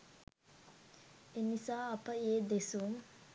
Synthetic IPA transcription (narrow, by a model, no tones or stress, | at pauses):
enisaːɐpəeːd̪esuŋ